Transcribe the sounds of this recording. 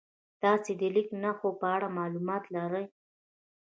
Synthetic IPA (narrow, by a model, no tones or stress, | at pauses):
t̪ɑsed̪əliknaxopəaɽamɑlumɑt̪laɾəj